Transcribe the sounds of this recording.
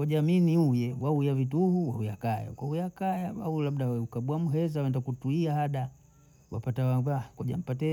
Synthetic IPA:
waʄaminiujɛwaujavit̬uhuwa̰ujakaja̰kwaujakajawaulaɓɗaukaɓwamuɦɛzawɛndakutuiahaɗa | wa̰patawavakɔʄa̰m̩pat̬ɛ

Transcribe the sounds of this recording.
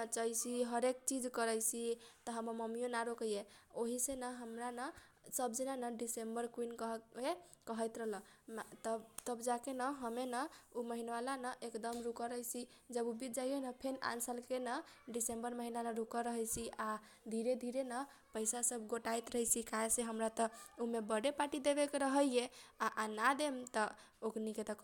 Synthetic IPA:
t͡ʃəjt͡ʃʰiɦəɾek̚t͡ʃid͡ʒkəɾəjt͡ʃʰit̪əɦəməməmijonaɾokəjeoɦisenəɦəmɾanə | səbd͡ʒinanəɖisembəɾkwinkɦe | kəɦəjt̪ɾəɦlə̃t̪ət̪əbd͡ʒakenəɦəmenəuməɦinwalanəʔekd̪əmɾukəɾəjt͡ʃʰi | d͡ʒəbubid͡ʒaijenəpʰena̰nsəlkenəɖisembəɾməɦinanəɾukəɾəɦəjt͡ʃʰiʔa | d̪ʱiɾed̪ʱiɾenə | pəjsasəbɡoʈajt̪ɾəɦjt͡ʃʰikaeseɦəmɾat̪əumebəɽepaʈid̪ebekeɾəɦəjeaʔanad̪emt̪ə | okniket̪ək

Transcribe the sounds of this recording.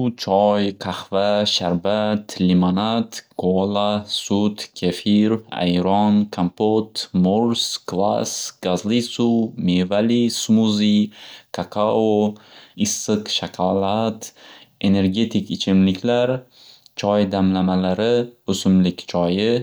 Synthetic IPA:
t͡ʃʰɒjqʰɑhvaʃaɾbat̪ʰlimonat̪ɡ̥olˠasʊt̪kʲʰafiɾa̰jɾɒnkʰampot̪moɾsklˠa̰sɡ̥azlisumevalismuzikʰakʰaoɪsːɨqʃaqʰalˠat̪e̞ne̞ɾɡʲe̞t̪ʰɪkʲɪt͡ʃʰɪmlɪkʲʰlaɾ | t͡ʃʰɒjd̪amlamalaɾɪɵsʊmlɪkʲt͡ʃʰɒjɪ

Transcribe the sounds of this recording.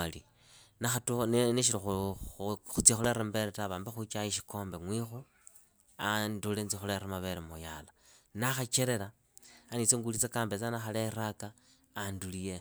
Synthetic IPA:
ali | naxatunneʃ̬iɾixu | xut͡sixuleɾembeɾetaβaːmbexut͡ʃaiʃi̥ko̞ːmbeŋwixu | andulent͡sixuleremaβeɾemujala | naxat͡ʃeɾe̞ɾaː | nit͡seŋɡulit͡sekaːmbet͡sanaxaleɾakaː | ndulije

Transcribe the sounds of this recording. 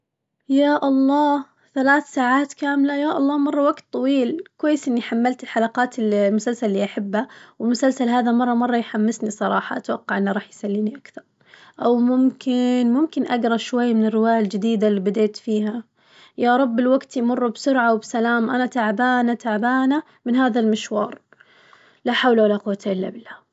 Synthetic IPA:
jaːʔɑlˤːɑː | θalaːθsaːʕaːt̪kaːmlajaːʔɑlˤːɑːmɑrˤːɑwaɡt̪ˤːɑwiːlkwajːɪsʔɪnːiħamːalt̪ɪlħalɑqɑːt̪ɪllmʊsalsallːiːʔaħabːawɪlmʊsalsalɦaːðamɑrˤːɑmɑrˤːɑjħamːɪsnisˤɑɾˤɑːħɑ̰ʔat̪wɑqːɑʕʔɪnːaɾˤɑːħjsalːiːniʔakθɑɾˤ | ʔawmʊmkʰɪnmʊmkɪnʔaɡɾˤɑʃwajːmɪnɪrːɪwaːjald͡ʒɪd̪iːd̪alːiːbɪd̪eːt̪fiːha | jɑɾˤɑbːɪlwaɡt̪jmʊrˤːʊbsʊɾʕawbsalaːmʔanat̪aʕbaːnat̪aʕbaːna | mɪnhaːðalmɪʃwɑ̰ːɾˤ | laħawlawalaqʊwːt̪ʰaʔɪlːa̰bɪlːaː

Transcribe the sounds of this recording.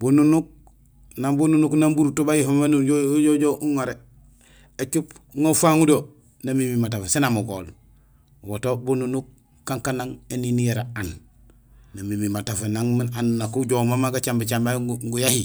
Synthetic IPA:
bununuk̚ | nambununuknambuɾutobajifamenuoɟoɟoʔuŋaɾe | et͡ʃupŋofaŋudo | namimimatafesenamuɡo̰ːl | wotobununuk̚ː | aŋkanaŋeninijeɾaanː | amimimatafenaŋminanunakuɟomamaɡat͡ʃambit͡ʃambaŋɡujahi

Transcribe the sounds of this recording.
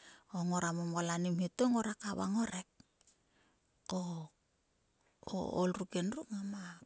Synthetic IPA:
oŋo̞ɾamomwalanimhitoŋoɾakaβa̰ŋo̞ɾek̚ | o | o̰olɾukenrukŋama

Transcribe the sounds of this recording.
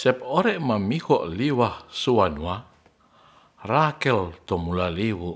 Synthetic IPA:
sɛpɔɾɛʔmamihɔʔliwahsuwanuwa | rakɛlt̪ɔmulaliwu

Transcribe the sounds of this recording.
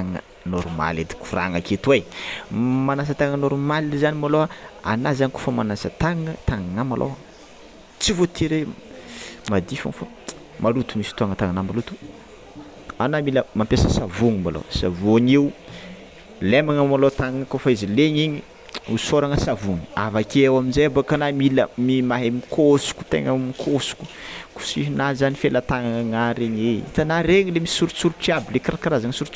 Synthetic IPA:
aŋə̰ | noɾuma̰led̪i̥kura̰ŋaket̪uwej | manas̬ət̪aŋənoɾumaliizanimaloaa̰nazaniko̥fəmanasət̪aŋət̪aŋaŋamalʔo̰wa | t͡sivot̪ʰiɾe | mad̪ifa̰ŋfa | malut̪u̥misi̥t̪uaŋət̪aŋanamalut̪u̥ | anamiləmampʲjasəsavuŋimalo̰savoɲiu | lemaŋamalot̪aŋankofaizileɲiɲi | usoɾaŋəsavuŋi̥avakawaminzajabakanamiləmimaɦemikʰosu̥ku̥t̪ḛŋəmikʰosu̥ku̥ku̥siɦnazanifelat̪aŋaaŋaɾeɲeḭt̪anaɾeŋilemii̥suɾt͡suɾuʈ͡ʂiabilekaɾakaɾazaŋəsuɾu

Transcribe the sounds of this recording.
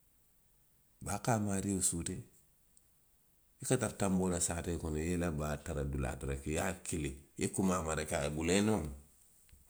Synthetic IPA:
baːkaːmaɾiosute | ikataɾtambolasaːtekonjelabataɾadula̰tuɾakijakiliekumamaɾakabulenom

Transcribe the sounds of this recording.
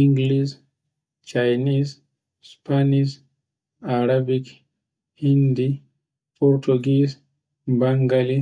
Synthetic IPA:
iŋɡlis | t͡ʃajnis | spʰanis | aɾabik | hindi | pʰɔɾtʰuɡis | baŋɡali

